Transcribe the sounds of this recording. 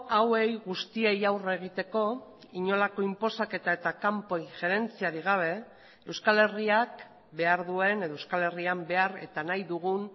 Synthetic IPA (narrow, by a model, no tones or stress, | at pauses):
awe̞jɣust̪ie̞jawraeɣ̞it̪e̞ko̞ | iɲo̞lako̞impo̞sake̞t̪aet̪akampo̞iŋxe̞ɾe̞nt͡siaɾiɣ̞aβ̞e̞ | e̞wskale̞riak | be̞aɾðue̞neðoewskale̞riambe̞aɾe̞̰t̪anajðuɣun